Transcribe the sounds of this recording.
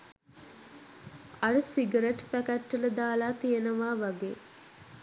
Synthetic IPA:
ɐɾəsiɡəɾeʈpækæʈːələd̪aːlaːt̪ijenəʋaːʋaɡeː

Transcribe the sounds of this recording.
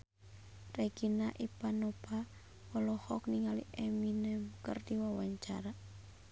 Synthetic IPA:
rɛɡinaʔipanɔpa | wɔlɔhɔkniŋalḭʔɛminɛmkərdiwawaɲt͡ʃa̰ɾa

